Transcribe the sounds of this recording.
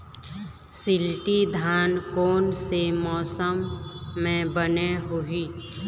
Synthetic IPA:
sɪlʈid̪ʱaːnkoːnsemɔːsəmːẽbəneɦʊɦiː

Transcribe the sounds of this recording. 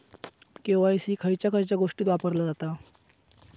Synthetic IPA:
kẽw̃ʋaisiːkʰəjt͡ɕjakʰəjt͡ɕjaɡoʂʈiːt̪ʋapəɾlad͡zat̪a

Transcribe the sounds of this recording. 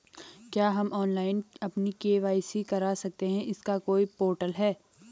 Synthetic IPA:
kjaːɦɐmʔɔːnlaːɪnɐpnikeːʋaːisikɐɾaːsɐk̚t̪eɦɛ̃ʔɪskakoːipoːɾʈəlɦɛː

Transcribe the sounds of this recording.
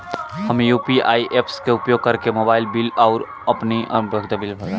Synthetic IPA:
hɐmejuːpiaːiʔeːpʰskeʊpjoːɡ̚kɐɾkemoːbaːɪlbɪlɔʊɾ | ɐpniʔbəɡd̪abɪlbʱɐɾa

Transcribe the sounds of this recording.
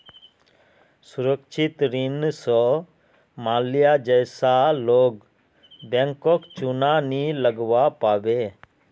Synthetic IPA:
sʊɾəkʃʰɪt̪ɾɪnsɔ | maːlijad͡ʒəjsaloːɡ | bɛ̃ŋkokt͡ʃunaniləɡʋapaːʋeː

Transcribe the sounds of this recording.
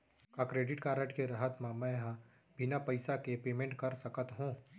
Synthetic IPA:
kakɾeːɖɪʈkaːɾəʈkeɾaɦət̪mãmɛ̃ɦã | bʱɪnapɐɪsakepeːmẽɳʈkɐɾsɐkət̪ɦũː

